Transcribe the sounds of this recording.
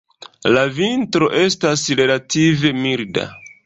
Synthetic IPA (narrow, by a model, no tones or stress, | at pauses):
lavintɾo̞ʔe̞stasɾe̞lative̞milda̰